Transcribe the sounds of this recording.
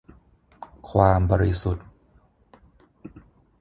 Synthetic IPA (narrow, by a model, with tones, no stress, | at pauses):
kʰwaː˧mbɔː˧ɾi˦su˨˩t̪̚